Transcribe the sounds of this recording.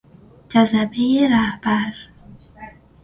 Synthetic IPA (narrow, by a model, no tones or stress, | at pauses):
d͡ʒazabejeɾahb̥aɾ